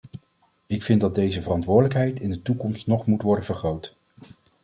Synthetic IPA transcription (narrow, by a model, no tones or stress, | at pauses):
ɪkfɪndɑdejzəvərɑntʋʊːdələkɦɛjtɪndətukɔmstnɔχmutʋɔɹdənvəɹχrowtə